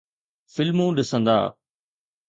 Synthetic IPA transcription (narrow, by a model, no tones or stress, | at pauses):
fɪlmũːɗɪsə̃nd̪a̰ː